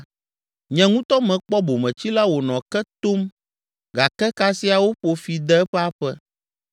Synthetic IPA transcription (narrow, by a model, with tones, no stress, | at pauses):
ɲɛ̃˨ŋũ˦t̪ɔ˦mɛ̃˨k͡pɔ˦bo˨mɛ̃˨t͡ɕi˦la˦wo˨nɔ̃˨kɛ˦t̪o˦m | ɡa˨kɛ˦ka˦si˦a˨wo˦ɸo˨fi˨d̪ɛ˦ɛ˦ɸɛ˦a˦ɸɛ˦